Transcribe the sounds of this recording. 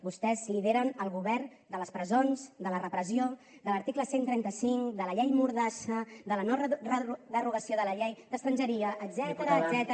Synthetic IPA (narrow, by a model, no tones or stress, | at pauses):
bust̪ɛzliðeɾənəlˠɣuβɛrn | d̪ələspɾəzonzd̪ələrəpɾəzio | d̪ələɾt̪ikləsent̪ɾɛnt̪əsiŋkd̪ələʎɛjmuɾðaʃəd̪ələnɔrəd̪əruɣəsioðələʎejd̪əkst̪ɾənʲd͡ʒəɾiəʔ̪ːzɛt̪əɾzɛt̪